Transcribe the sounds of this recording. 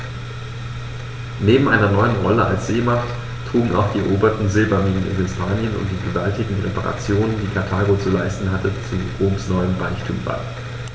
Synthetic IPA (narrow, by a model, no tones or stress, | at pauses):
neːbm̩ʔaɪnɐnɔʏənʁɔləa̰lsz̥eːmaχt | tʁ̥uːɡŋ̩a̰ʊxd̥iːɛɐʔoːbɐtn̩zɪlbaniːnənɪ̰nhɪspʰaːnjənʊ̰nt̚d̥iːɡəvaltɪɡŋ̩ʁḛpaʁa̰t͡sjoːnəndiːkʰaɐtʰaːɡot͡sulaɪstn̩ɦatət͡suʁoːmsnɔʏəmʁaɪçtʰṵːmba̰ɪ